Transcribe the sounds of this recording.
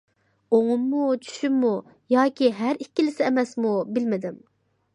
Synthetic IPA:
oŋʊmːut͡ʃʰy̥ʃymːu | jɑːkʲiɦæɾikʲːilɪsɪɛmɛsmubɪlmɪd̪ɪm

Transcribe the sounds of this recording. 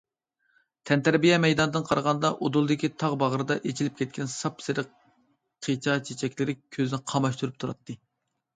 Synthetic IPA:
t̪ʰɛnt̪æɾbijɛmɛjd̪ɑnɨd̪ɨnqʰɑɾʁɑnd̪ɑʔod̪ulˠd̪ɨkʲit̪ʰɑʁbɑʁəɾɨd̪ɑʔet͡ʃʰilɪp̚kʲʰɛt̪̚kʲʰɛnsɑpsɪɾɪq | qʰet͡ʃʰɑt͡ʃʰet͡ʃʰɛkʲlɪɾɪkʲʰøzɪnɪqʰɑmɑʃt̪uɾup̚t̪ʰuɾɑ̰t̪ːɨ

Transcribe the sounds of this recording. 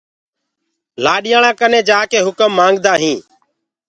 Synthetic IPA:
laːɗɪjaːɳãːkənẽːd͡ʒaːkeːɦʊkəmːãːŋɡd̪aːɦĩː

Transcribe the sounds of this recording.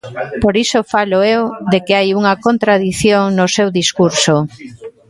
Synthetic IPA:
poɾisofaloewðekɪajuŋɐkont̪ɾaðiθjoŋnosewðiskuɾso

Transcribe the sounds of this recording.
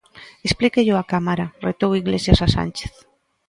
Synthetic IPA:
esplikeʎʊakamaɾaret̪owiɣlesjasasa̰nt͡ʃe̥θ

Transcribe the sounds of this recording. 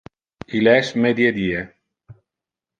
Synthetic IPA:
ilɛʃmed̪jed̪ie

